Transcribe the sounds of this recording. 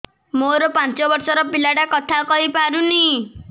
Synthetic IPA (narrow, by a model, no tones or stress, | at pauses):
moɾɔpant͡sɔbɔɾsɔɾɔpilaɽakɔt̪ʰakɔɦipaɾuni